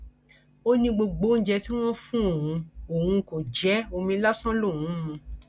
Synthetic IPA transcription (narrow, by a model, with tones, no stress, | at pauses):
o˦nĩ˧ɡ͡bo˧ɡ͡bo˨˦n̩˦d͡ʒɛ˧ti˦w̃ɔ̃˦fũ˦o˨ɦũ˨˧o˨ɦũ˧ko˨d͡ʒɛ˨˦o˧mĩ˧˦la˦sã˦lo˦˨wũ˨˦mũ˧